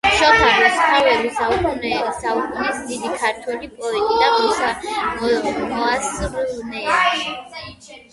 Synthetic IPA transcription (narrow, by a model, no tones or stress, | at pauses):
ʃɔχaɾisχɔvɛbisaukʼunɛsaukʼunɛsd̪id̪ikʰaɾt̪ʰwɛlipʼɔɛt̪ʼid̪abusamɔɔasnɛa